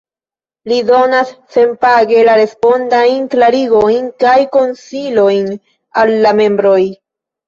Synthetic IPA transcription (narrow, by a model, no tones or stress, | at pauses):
lido̞nasːe̞npaɡe̞laɾe̞spo̞ndajnklaɾiɡo̞jnkajko̞nsilo̞jn | alːamẽ̞mbɾo̞j